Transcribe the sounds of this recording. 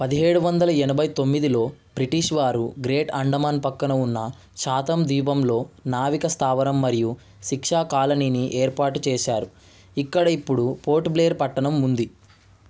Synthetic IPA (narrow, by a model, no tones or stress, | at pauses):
pɐd̪iɦe̞ːɽuʋɐnd̪ɐlɐɛnɐbʱɐjt̪o̞mːid̪ilo̞ːbɾiʈiʂʋaːɾuɡɾe̞ːʈɐɳɖɐmaːnpɐkːɐnɐunːɐ | ʃaːt̪ɐmd̪iːbɐmlo̞ːnaːʋikɐst̪ʰaːʋɐnɐmːɐɾiju | ʃikʂaːkaːlɐniːniʔeːɾpaːʈut͡ʃɛːʃaːɾu | ikːɐɽɐipːuɽupo̞ːɾʈbleːɐɾpɐʈːɐnɐmːund̪i